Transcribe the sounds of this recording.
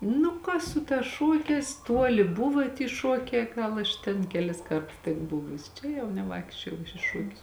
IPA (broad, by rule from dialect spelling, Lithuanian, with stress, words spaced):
ˈnʊ kɐ ˈsʊ ˌtɑːs ˈʃuɔkʲɛːs ˈtuɔlʲɪ ˈbʊʋɐ tʲiː ˈʃuɔkʲɛː ˈɡɐlˠ ɐʃ tʲɛn kʲɛˈlʲɪs ˈkɐrts tʲɪk ˈbʊʋʊsʲɪ ˈt͡ʃʲɛ jɛʊ nʲɛˈʋɐɪkʃʲt͡ʃʲoːjɛʊ ɐʃ ɪ ˈʃuɔkʲʊs